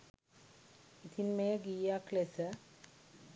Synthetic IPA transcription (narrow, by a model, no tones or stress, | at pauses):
it̪ʰinmejəɡiːjaklesə